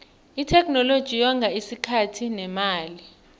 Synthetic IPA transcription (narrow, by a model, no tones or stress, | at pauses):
itʰɛkʰʼnɔlod̥ʒ̥ʱijaŋɡʱaisikʰatʰinɛmaːli